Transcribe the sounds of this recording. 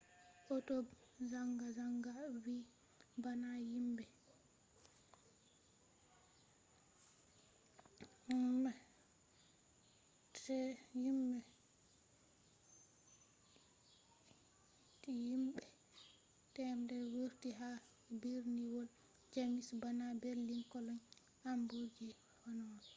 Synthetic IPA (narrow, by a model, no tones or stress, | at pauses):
ʔɔtɔbzaŋɡazaŋɡawi | banajimbɛ | imɛ | tɛjimbɛ | tijimɓɛ | tɛmdɛwuɾtiɦa | biɾniwɔl | d͡ʒamisbanabeɾlinkɔlɔɲ | ambuɾd͡ʒi | hɔnɔn